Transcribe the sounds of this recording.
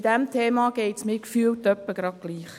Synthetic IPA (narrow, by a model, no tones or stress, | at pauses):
d̥̪æmt̪ʰeːmɑɡ̥ɛɪtsmɪːkfyːltœpːəɡ̥ɾɑd̚ɡ̥liːχ